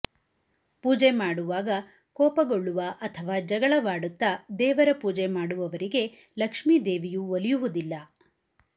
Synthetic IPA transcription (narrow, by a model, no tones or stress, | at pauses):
puːd͡ʒemaːɽuʋaːɡɐ | kɔːpɐɡoɭːuʋɐʔɐt̪ʰɐʋaːd͡ʒɐɡɐɭɐʋaːɽut̪ːɐd̪ɛːʋɐɾɐpuːd͡ʒemaːɽuʋɐʋɐɾiɡe̞ | lɐkʂmid̪eːʋijuolijuʋud̪ilːɐ